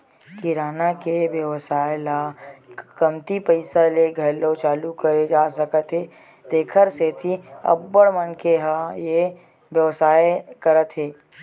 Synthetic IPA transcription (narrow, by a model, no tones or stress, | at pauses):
kɪɾaːnakeʋjəʋsaːela | kəmt̪ipəɪsaleɡʱɐlot͡ʃaːlukəɾed͡ʒaːsəkət̪ɦeː | d̪̥eːkʰəɾset̪ʰiɐ̰bːəɽmənkeɦaje | bjəʋsaːekəɾət̪ɦeː